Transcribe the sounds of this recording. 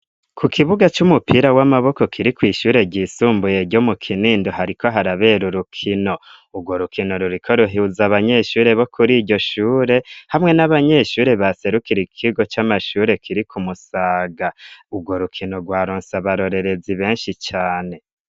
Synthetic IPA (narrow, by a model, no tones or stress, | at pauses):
kʰukʰiβuɡat͡ʃumupʰiɾawamaβo̞ko̞kʰiɾikwiːʃuːɾe̞ɟiːsuːmbuje̞ɾɟomukʰiniːndoɦaɾiko̞ɦaɾaβe̞ɾuɾukʰino̞ | ub̚ɡwo̞ɾukʰino̞ɾuɾikʰo̞ɾuɦiuzaβaɲe̞ʃuːɾe̞βo̞kʰuɾiːɟɟo̞ʃuːɾe̞hamŋe̞naβaɲe̞ʃuːɾe̞βase̞ɾukiɾikʰiɡo̞t͡ʃamaʃuːɾe̞kʰiɾikʰumusaːɡaub̚ɡwo̞ɾukʰino̞ɡwaːɾoːnsaβaɾo̞ɾe̞ɾe̞ziβe̞ːnʃit͡ʃaːne̞